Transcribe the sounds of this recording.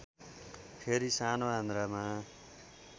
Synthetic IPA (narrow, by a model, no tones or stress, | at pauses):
pʰeɾisanoɦãnd̪ɾama